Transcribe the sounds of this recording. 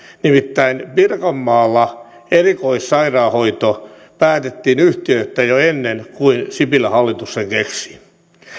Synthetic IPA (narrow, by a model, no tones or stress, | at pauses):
nimit̪ːæinpirkɑmːɑːlːɑ | erikoissɑirɑːhoit̪o | pæːt̪et̪ːiːnyht̪iøt̪ːæjoenːenkuinsipilːæhɑlːit̪usːeŋkeksi̥